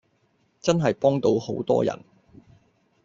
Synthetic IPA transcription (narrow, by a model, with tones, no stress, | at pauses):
t͡sɐ˥nɦɐ˨jpɔː˥ŋt̪o˨˥who˨˥wt̪ɔ̰ː˥jɐ̰˨˩n